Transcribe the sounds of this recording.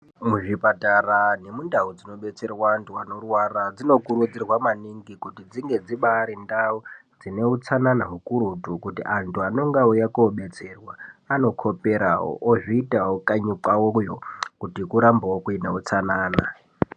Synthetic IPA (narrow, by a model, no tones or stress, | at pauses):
muʐipatarane̞mundaud͡zino̞ɓe̞t͡se̞rwaantʰuanorwarad͡zino̞kuɾud͡zirwamaniŋɡikutid͡ziŋɡe̞d͡ziɓaːɾindaud͡zine̞ut͡sananaɦukuɾutukutḭʔantʰuano̞ŋɡaujakoɓe̞t͡se̞rwaːno̞kʰo̞pe̞ɾa̰wo̰ʔoʐiːtawokaɲupawojokutikuɾambawokuina̰ut͡sanaːna